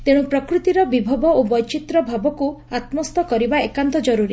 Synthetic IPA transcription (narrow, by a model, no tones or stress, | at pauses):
t̪eɽ̃ũpɾɔkɾut̪iɾɔbibʱɔbɔobɔjt͡ʃit̪ɾɔbʱabɔkuat̪mɔst̪ɔkɔɾibaekant̪ɔd͡ʒɔɾuɾi